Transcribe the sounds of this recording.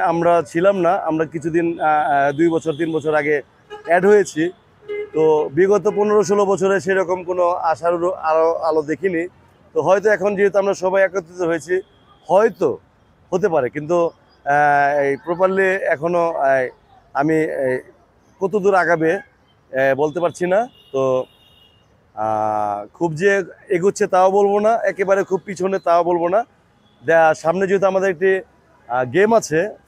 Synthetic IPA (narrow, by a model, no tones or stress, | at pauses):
amɾat͡ɕʰilamnaa̰mɾakit͡ɕʰud̪ind̪ujbɔt͡ɕʰoɾt̪̬inbɔt͡ɕʰoɾaɡe | ɛɖɦojet͡ɕʰi | t̪obiɡɔt̪oponeɾoʃ̬olobɔt͡ɕʰoɾeʃ̬ejɾɔkomkonoaʃaɾuɾaoalod̪ekʰini | t̪oɦɔjt̪oɛkʰond͡ʑiɦit̪oamɾaʃɔbajakot̪ːit̪oɦojet͡ɕʰi | hɔjt̪o | hot̪̬epaɾekint̪u | pɾopalːeɛkʰono | ami | kɔt̪od̪uɾaɡabe | bolt̪epaɾt͡ɕʰina | t̪o | kʰubd͡ʑeeɡutːɕʰet̪aobolbonaɛkebaɾekʰub̚pit͡ɕʰunet̪aobolbona | d͡ʑɛaʃamned͡ʑoɦit̪uamad̪eɾek̚ʈi | ɡemat͡ɕʰe